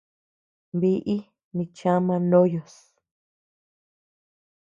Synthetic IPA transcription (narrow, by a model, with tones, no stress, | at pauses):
βi˧ʔi˦ | mĩ˧t͡ʃã˦mã˧nõ˦jo˨s